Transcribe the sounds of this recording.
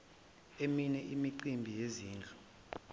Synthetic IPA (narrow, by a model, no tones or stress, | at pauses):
eminɛʔimiǀimbʱijeziːnd͡ɮʱu